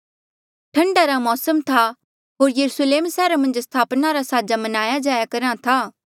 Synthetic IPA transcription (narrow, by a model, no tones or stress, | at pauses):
ʈʰɐ̃ɳɖaɾamɔːsəmt̪ʰa | ɦoːɾjɐɾusleːmsɛːɾamɐ̃nd͡ʒst̪ʰaːpnaɾasaːd͡ʒamɐnaːjad͡ʒaːjakɐɾãt̪ʰaː